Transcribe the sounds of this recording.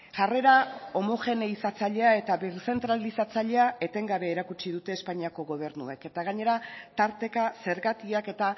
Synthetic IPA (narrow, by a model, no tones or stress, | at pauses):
ʝare̞ɾao̞mo̞xe̞neisat͡saʎe̞ae̞t̪aβeɾse̞nt̪ɾalisat͡saʎe̞ae̞t̪e̞ŋɡaβe̞ːɾakut͡ʃiðut̪e̞ːspaɲiako̞ɣo̞β̞e̞ɾnue̞ke̞t̪aɣaɲe̞ɾat̪aɾt̪e̞kase̞ɾɣat̪iake̞t̪a